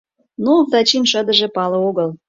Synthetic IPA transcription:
nud̪ɑt͡ɕinʃəd̪ə̆ʒĕpɑlɤ̆oɣəl

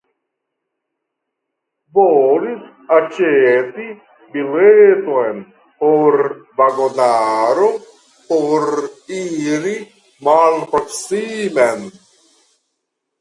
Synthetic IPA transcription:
boːɾit̪ | ɐt͡ʃeːt̪i | bileːt̪oen | oɾbaɡonaːɾo | oɾiɾi | maːlpɾɐksiːmɛn

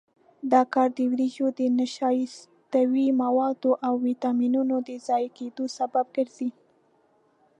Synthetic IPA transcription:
d̪ɑkɑɾd̪əwɾiʒod̪ənaʃɑjs | t̪awimawɑd̪oʔawːit̪ɑminunod̪əzɑjked̪osabab̚ɡəɾz̥i

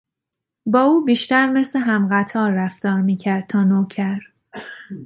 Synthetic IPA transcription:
bɒːuːbiːʃt̪æɾme̞sleɦæmɢæt̪ʰɒːɾːæft̪ɒːɾmiːcʰæɾd̪̚t̪ʰɒːnoːcʰæɾ

